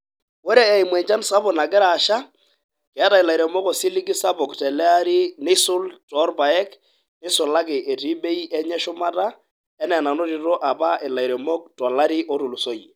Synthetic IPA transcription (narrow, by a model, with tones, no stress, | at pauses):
wo˦ɾe˦ɛ˨i˨mwɛ˨ɲt͡ʃa˦nsa˦bʊ˨na˨k̬ɪ˦ɾa˨ʃa˦ | kɛ˨˦ta˨ɪ˨la˨i˨ɾɛ˨mɔ˦kɔ˨si˦li˦ki˦sa˦bɔ˨ktɛ˨lɛ˦a˦ɾi˦nɪ˦sʊ˦ltɔ˦rba˨ɛ˦k | nɪ˦sʊ˨la˦kɪ˨ʔe˨ti˦be˦i˦ʔɛ˦ɲɛ˦ʃʊ˦ma˦ta˦ | ɛ˦nɛ˨na˨no˦ɾi˨to˦ʔa˨pa˦ʔɪ˨la˨i˨ɾɛ˨mɔ˦k̚tɔ˨la˦ɾi˦ʔo˦tʊ˨lu˨so˦i˨